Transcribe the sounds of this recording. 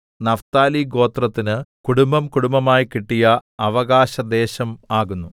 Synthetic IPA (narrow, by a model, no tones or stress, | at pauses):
nɐft̪aːliɡo̞ːt̪rɐt̪ːinɨkuɽumbɐmkuɽumbɐmaːjikiʈːijɐɐʋɐɣaːɕɐd̪e̞ːɕɐmaːɣunːu